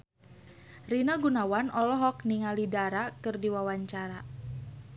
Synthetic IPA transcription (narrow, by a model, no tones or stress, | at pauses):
rinaɡunawanɔlɔɦɔk̚niŋalidaɾakɨrdiwawaɲt͡ʃaɾa